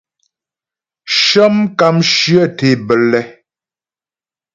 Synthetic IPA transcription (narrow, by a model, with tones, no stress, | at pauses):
ʃə˦mka˦˨mʃɰə˦˨te˨bə˨lɛ˦